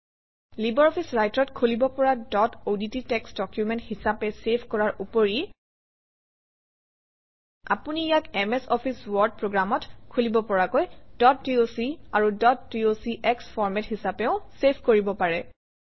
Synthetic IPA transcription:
libɔɹɔpʰisɹajtɹɔtkʰulibɔpɔɹadɔtodititɛksdɔkjumɛnthisapɛsepʰkɔɹaɹupoɹi | a̰punijakɛmɛsɔpʰiswɔɹd̚pɹoɡɹamɔtkʰulibɔpɔɹakojdɔt̚ːiosiaɹudɔtːiosiʔɛksfʰɔɹmɛthisapɛʊ̃sepʰkoɹibɔpaɹɛ

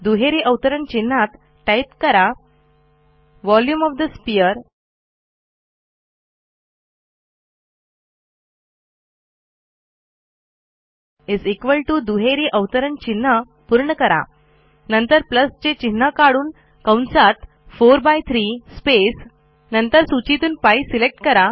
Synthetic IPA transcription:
d̪uɦeɾiʔəʋt̪əɾəɳt͡ɕin̤ːat̪ | ʈajp̚kəɾa | ʋɔljumɔʋd̪əspijəɾ | izekʋəlʈud̪uɦeɾiʔəʋt̪əɾənt͡ɕin̤ːə | puɾɳəkəɾa̰ | nənt̪əɾpləst͡ɕet͡ɕin̤ːəkaɽuːn | kãwnsat̪ | foɾbajt̪ʰɾispes | nənt̪əɾsut͡ɕit̪uːnpaisilek̚ʈkəɾa

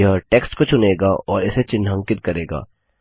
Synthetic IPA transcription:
ɦəʈeːksʈkot͡ʃʰʊneːɡaʔɔːɾɪset͡ʃɪnːə̃ŋkɪt̪̚kɐɾeːɡa̰ː

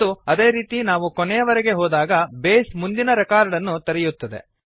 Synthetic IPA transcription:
uɐd̪e̞ːɾiːt̪inaːʋukɔnɛjɐʋɐɾɛɡe̞ɦɔːd̪aːɡɐbeːsmund̪inɐɾɛkaːɾɖɐnːut̪ɐɾɛjut̪ːɐd̪e̞̰

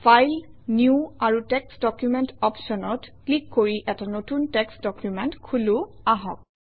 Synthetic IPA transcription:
fʰajl | njuaɹutɛksdɔkjumɛntɔpsɔnɔtklikːoɹiʔɛtanotuntɛksdɔkjumɛntkʰulʊ | aɦɔ̰k̚

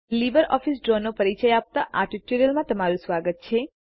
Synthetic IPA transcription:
libəɾɔfisɖɾonːopəɾit͡ʃəjap̚t̪aʔaʈiʈoɾijəlmãt̪əmaɾũsʋaɡət̪̚t͡ʃʰe

